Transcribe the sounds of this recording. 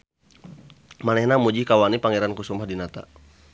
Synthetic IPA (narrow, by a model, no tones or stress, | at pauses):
malɛhnamud͡ʒikawanipaŋɛɾankusumahdinat̪a̰